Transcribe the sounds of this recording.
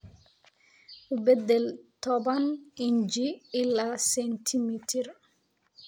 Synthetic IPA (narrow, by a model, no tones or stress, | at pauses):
ʔubɛd̪ːɛlt̪ɔbanʔiɲd͡ʒiilːasɛntʰimitʰiɾ